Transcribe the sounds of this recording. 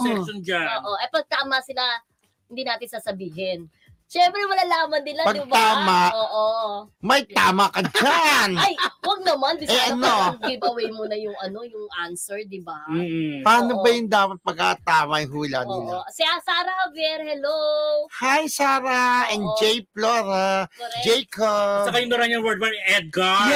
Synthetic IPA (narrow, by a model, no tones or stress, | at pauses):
d͡ʒaʔoːʔoʔɐpɐɡ̚t̪aːmɐsɪla | hɪnd̪iːnaːt̪ɪnsaːsɐbiːɦɪn | ʃɛmpɾɛmɐlalaːmɐnd̪ɪlapɐɡ̪ɪb̪aːmaʔʔoːʔomɐjt̪aːmɐkɐd͡ʒanajwɐɡ̚nɐmand̪ɪɛʔɐnoɐŋɡibɐwɛjmonɐjʊŋʔɐno̞jʊŋʔansɛɹd̪ɪbapɐaːnobɐjʊnd̪aːpɐt̪̚mɐɡ̚kat̪aːmɐjɦuːlanɪlasɛʔasaːɾɐɐbɛɾhɛlohajsaːɾɐʔɛnd͡ʒɛjploːɾad͡ʒɛjkosɐkɐjʊnɐɾɐnɐŋwɛɹd̪̚wɐɛd̪̚ɡa